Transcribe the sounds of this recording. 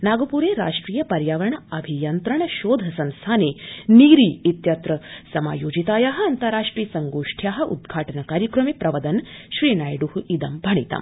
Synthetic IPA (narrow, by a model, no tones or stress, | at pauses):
naɡopuɾeɾa̰ʂʈɾiːjəpɐɾjaːʋɾəɳɐbʱijɐnt̪ɾəɳʃoːd̪ʱɐsɐ̃nst̪ʰaneniːɾiːit̪jɐt̪ɾəsɐma̰ːjoːd͡ʑit̪ajaɦəɐnt̪əɾaʂʈɾiːsɐŋɡoʂʈʰjaːɦə̆ṵd̪ɡʱaːʈənɐkaːɾjəkɾɐmipɾɐʋəd̪ənɕʋiːnajɖuhid̪ɐmbʱɐɽ̃ḭt̪a̰m